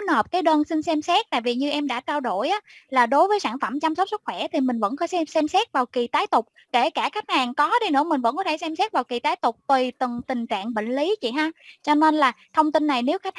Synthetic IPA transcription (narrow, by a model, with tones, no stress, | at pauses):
nhəː˨˩p̚kaː˨˦jɗəː˧nsï˧ŋ̟sɛ˧msɛ˦˥t̚t̪a̰ː˧˨jvi˨˩ɲɨ˧ʔɛ˧mɗa̰ː˧˥t͡ɕa˧wɗo˧˩jʔaː˨˦laː˨˩ɗo˨˦jvəː˨˦jsaː˧˩nfə˧˩mt͡ɕa˧msə˦˥k͡p̚sɨ˦˥k̚xwɛ˧˩t̪ʰi˨˩mï˨˩ŋ̟və̰˧˥nkɔ˨˦sɛ˧sɛ˧msɛ˦˥t̚vaː˨˩wki˨˩t̪aː˨˦jt̪ʊ˨˩k͡p̚ | ke˧˩kaː˧˩xa˦˥k̚haː˨˩ŋkɔ˨˦ɗi˧nɨ̰˧˥əmï˨˩ŋ̟və̰˧˥nkɔ˨˦t̪ʰsɛ˧msɛ˦˥t̚vaː˨˩wki˨˩t̪aː˨˦jt̪ʊ˨˩k͡p̚t̪wi˨˩t̪ɨ˨˩ŋt̪ï˨˩ŋ̟t͡ɕa̰ː˧˨ŋɓə̰˧˨ŋ̟li˨˦t͡ɕḭ˧˨˩ɦaː˧t͡ɕɔ˧ne˧nlaː˨˩t̪ʰə˧wŋ͡mt̪ï˧nːa˨˩jne˨˦wxa˦˥k̚